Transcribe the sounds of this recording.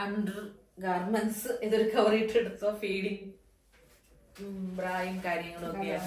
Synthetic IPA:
ɐnɖɐr | ɡɐʋɐrmɐnsɨeðoɾukɐʋɐriʈːeɽut̪ːoːfiːɽiŋ | braːjiŋkaːɾjɐŋːɐɭokkːejaː

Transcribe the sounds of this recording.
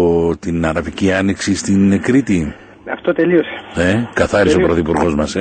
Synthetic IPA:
t̪inɐɾɐviciɐniksist̪inkɾit̪i | ɐft̪ot̪eliose̥nekɐθɐɾisopɾoθipuɾɣo̞zmɐs

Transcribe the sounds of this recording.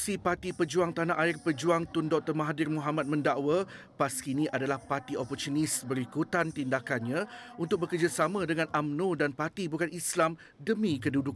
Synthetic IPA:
sipat̪ipəd͡ʒuaŋt̪anaʔaɪrpəd͡ʒuaŋt̪undɔk̚t̪ərmaɦadɪrmũɦamãt̪̚mə̃ndaʔwa | paskinĩʔadalahpat̪iopɔrt̪unisbəɾikut̪ant̪indakanɲãunt̪ʊk̚bəkərd͡ʒasamãdəŋãnʔamnũdanpat̪ibukanislam | dəmĩkədudʊk̚

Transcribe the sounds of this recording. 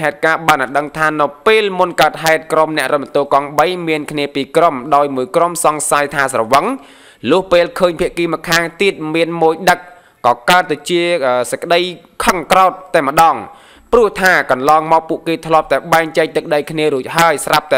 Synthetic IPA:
ɦaɛt̪̚kaːɓaːnʔaɗəŋt̪ʰaːnɨwpeːlmunkaət̪̚ɦaɛt̪̚kromnɛ̆əʔrət̪̚ɓənt̪oːkɑŋɓəjmiənkʰniəpiːkromɗaɔjmuəjkromsɑŋsajt̪ʰaːsrɑʋəŋ | lʊ̆əhpeːlkʰəːɲpʰiəʔkiːmɔ̆kʰaːŋt̪iət̪̚miənmoːjɗək̚ | kɑːkaət̪ːat͡ɕiəʔəːsəkə̆ɗəj | kʰɑŋkraɔt̪ːaɛmə̆ɗɑːŋ | prʊ̆əht̪ʰaːkɑnlɑːŋmɑːk̚puəʔkeːt̪ʰlŏəp̚t̪aɛɓaɛŋt͡ɕɛːk̚t̪ɨk̚ɗəjkʰniəɾuəc̚ɦaəjsrap̚t̪a

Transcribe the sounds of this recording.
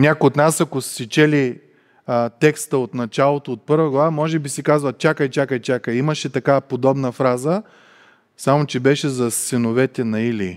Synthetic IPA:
nʲakojot̪nasɐkossit͡ʃɛli | t̪ɛkst̪əot̪nɐt͡ʃalˠot̪oːt̪̚pɤɾvɐɡlˠɐvamɔʒɛbisikazvɐt͡ʃakəjt͡ʃakəjt͡ʃakəjiməʃɛt̪ɐkapod̪ɔbnəfɾazə | samot͡ʃɛbɛʃɛzɐsɛnovɛt̪ɛnɐili

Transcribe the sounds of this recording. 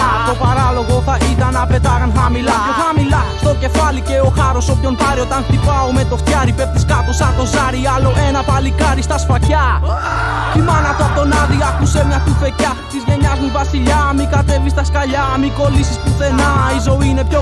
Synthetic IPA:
t̪opaɾaloɣoθaʔiðɐnɐpet̪aɣɐnθɐmilaoxamilast̪ocefaliceoxaɾosopjont̪aɾiot̪anxt̪ipaomet̪ofθjaɾipep̚t̪iskat̪osat̪ozaɾialoʔɛnɐpalikaɾist̪ɐsfaca | cimanɐt̪at̪onaðiakusemiɐt̪ufeca | sizɣeɲazmivɐsiʎamikat̪evist̪ɐskaʎamikolisispuθenaizoinepço

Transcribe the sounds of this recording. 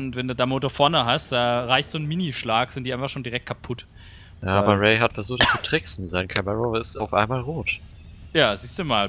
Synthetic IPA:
ʊntvɛnduːdaːmoːtoɐfɔɐnəɦastd̥aːʁaɪçtz̥oːn̩miniʃlaːkz̥ɪntiːaɪnfaχʃoːndiʁɛk̚t̚kʰapʰʊt | aaːbɐʁɛɪɦatfɛɐzuːxtst͡su̥tʁ̥ɪksn̩zaɪnkʰɛməʁoːɪstaʊfʔa̰ɪnmaːlʁoːt | jaːziːstd̥uːmaːl

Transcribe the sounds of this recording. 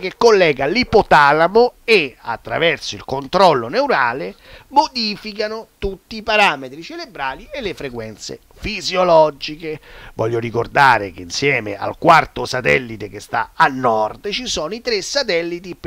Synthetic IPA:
kekːolːɛːɡalipot̪alamoea̰t̪ːɾa̰vɛrsoilkont̪ɾɔlːonewɾaːle | mod̪iːfikanot̪ut̪ːiːpaɾaːmet̪ɾit͡ʃelebɾaːliʔelːefɾekwɛnt̪sḛ | fizjolɔd͡ʒikevɔ̰ʎːoɾikord̪aːɾek̟einsjɛːmeʔa̰lkwart̪osat̪ɛ̰lːit̪ek̟est̪a̰anːɔrd̪t͡ʃisɔːnoit̪ɾesːat̪ɛlːit̪ip

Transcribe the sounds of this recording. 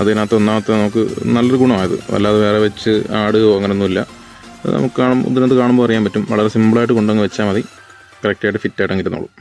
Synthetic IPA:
ɐðɨenaːt̪ːeo̞nːaːmɐt̪ːenɐmuk̬ːɨnɐlːɐrɨɡuɳɐmaːjɐðɨ̰ʋɐ̰lːaːɐðɨʋe̞ːreʋet͡ɕːɨaːɽɨɐŋːɐnonːumilːɐ̰ | ɐðnɐ̰mukːɨkaːɳumṵðiɾeɨkaːɳumbopɐrɐjːaːmpɐtːumʋɐɭɐɾesimbɨɭaːjʈ̬ːɨko̞ɳɖɐŋːɨʋet͡ɕːaːmɐði | kɐrɐk̚taːjiʈːɨfitːaːjʈːeŋɡilːuno̰ːɭṵm

